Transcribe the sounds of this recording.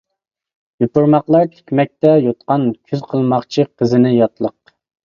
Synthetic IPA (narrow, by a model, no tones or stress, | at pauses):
jupʊɾmɑqlˠɑɾt̪ʰe̥kʲmɛk̚ʲt̪ɛjot̪̚qɑnkʲʰyzqʰəlˠmɑqt͡ʃʰiqʰəzɨnɪjɑt̪lˠəq